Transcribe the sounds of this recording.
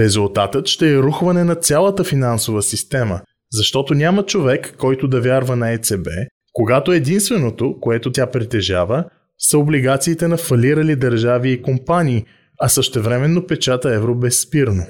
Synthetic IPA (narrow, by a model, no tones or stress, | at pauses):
ɾɛzulˠt̪at̪ət̪ʃt̪ɛːɾuxvɐnɛnɐt̪sʲjalˠət̪əfinansovəsist̪ɛmə̰ | zɐʃt̪ɔt̪onʲamət͡ʃovɛkːɔjt̪od̪ɐvʲjaɾvənɐɛt̪sɛbɛ̰ | koɡat̪oɛd̪inst̪vɛnot̪okoɛt̪ot̪ʲapɾit̪ɛʒavə | sɐobliɡat̪siːt̪ɛnɐfɐliɾɐlid̪ɐɾʒaviːkompanʲiː | ɐsəʃt̪ɛvɾɛmɛnːopɛt͡ʃat̪əɛvɾobɛsːpiɾno